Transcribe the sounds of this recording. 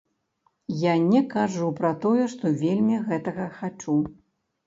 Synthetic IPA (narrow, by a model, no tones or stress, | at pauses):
janʲɛkaʐupɾɐt̪ɔjɛʂt̪ɔvʲelʲmʲiɣɛt̪ɐɣɐxat͡ʂu